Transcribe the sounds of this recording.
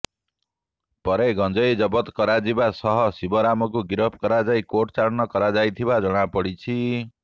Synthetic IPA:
pʌɾeɡʱʌnd͡zʌjd͡zʌbʌt̪kʌɾad͡zibasʌɦʌsibʌɾamɔk̬uɡiɾʌp̚ʰkʌɾad͡zajkoʈt͡saɾnʌkʌɾad͡zajt̪ʰibad͡zʌɽ̃apʌɽit͡sʰi

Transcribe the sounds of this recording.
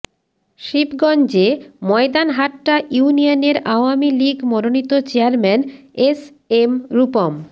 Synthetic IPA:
ʃibɡɔnd͡ʑemɔed̪anɦaʈːaʔuunianeɾaoamiliɡmɔɾonit̪ot͡ɕeaɾmɛnes | emɾupom

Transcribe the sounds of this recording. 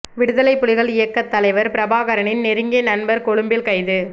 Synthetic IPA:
ʋɪɽɯðɐlɐɪpːʊlɪɣɐɭɪjɐkːɐt̪ːɐlɐɪʋɐɾpɪɾɐbaːɣɐɾɐɳɪnnɛɾɯŋɡeːnɐɳbɐɾkɔɻɯmbɪlkɐɪðɯ

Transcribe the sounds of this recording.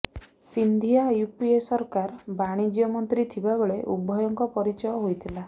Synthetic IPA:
sind̪ʱijajupiesɔɾkaɾbaɽ̃id͡ʒjɔmɔnt̪ɾit̪ʰibabeɭeʔṵbʱɔjɔŋkɔpɔɾit͡ʃɔjɔɦojt̪ʰila

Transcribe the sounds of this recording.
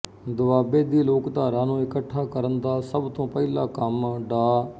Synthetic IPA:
d̪ʊaːbeːd̪iːloːkt̪aːɾaːnũːɪkəʈʰːaːkəɾənd̪aːsəbt̪õːpɛlaːkəmɖaː

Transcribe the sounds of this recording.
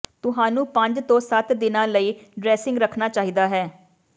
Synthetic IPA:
t̪ʊɦãːnũːpəɲd͡ʒt̪õːsət̪d̪ɪnãːləiːɖɾɛːsɪ̃ŋɡɾəkʰnaːt͡ʃaːɦiːd̪aːɦɛː

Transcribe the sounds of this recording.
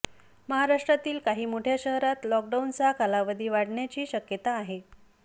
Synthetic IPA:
məɦaɾaʂʈɾat̪iːlkaɦiːmoʈʰjaɕəɦɾat̪lɔk̚ɖaunt͡sakʰalaʋəd̪ʱiːʋaɽɳjat͡ɕiːɕəkjət̪aːɦe

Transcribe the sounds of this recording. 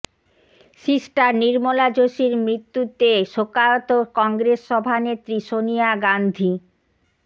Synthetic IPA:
ʃisʈaɾniɾmolad͡ʑoʃiɾmɾit̪ːut̪eʃokaot̪okɔŋɡɾesːɔbʱanet̪ːɾiʃonijaɡand̪ʱi

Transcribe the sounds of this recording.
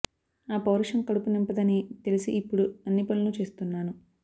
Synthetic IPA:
aːpɐwɾɐʂɐmkɐɽupunempɐd̪ɐnit̪elisiːpːuɽuɐnːipɐlːɐnut͡ʃe̞ːst̪unːaːnu

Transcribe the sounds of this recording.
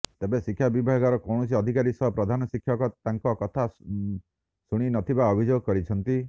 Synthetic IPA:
t̪ebesikʰːjabibʱaɡɔɾɔkɔwɽ̃ɔs̬iɔd̪ʱikaɾisɔɦɔpɾɔd̪ʱanɔsikʰːjɔkɔt̪aŋkɔkɔt̪ʰa | suɽ̃inɔt̪ʰibaɔbʱid͡ʒoɡkɔɾit͡ʃʰɔnt̪i

